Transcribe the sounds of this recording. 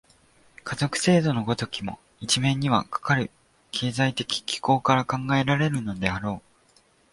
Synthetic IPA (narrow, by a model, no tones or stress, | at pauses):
kazo̞kɯ̟̥se̞ːd̪o̞no̞ɡo̞t̪o̞kʲimo̞̰ | it͡ɕimẽ̞ɲ̟ːiβ̞a̰kḁkaɾɯ̟ | kʰe̞ːzait̪e̞kʲi̥kʲi̥ko̞ːkaɾakãŋɡae̞ɾaɾe̞ɾɯ̟no̞d̪e̞aɾo̞ː